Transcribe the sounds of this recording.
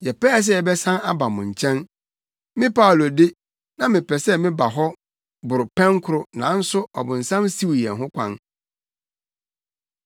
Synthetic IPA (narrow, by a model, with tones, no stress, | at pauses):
jɛ˨pɛː˦˨s̬ɛ˦˨ɛ˨bɛ˦sã˦na˦ba˨mʊ̃˨ɲ̩˨t͡ɕʰɛ̃˦n | mɪ̃˦pʰa˦˨lo˨dɪ˦ | nã˨mɪ̃˨pʰɛ˨sɛ˦mɪ̃˦ba˨ɦɔ˦ | bʊ˨ɾʊ˨pʰɛ̃˦ŋkʰʊ˨ɾʊ˨nã˨˦n̩˦sʊ˦ɔ̰˨bʊ̃˨n̩˨sã˦msi˦wjɛ̰̃˨nɦʊ̃˦kʷʰã̰˦n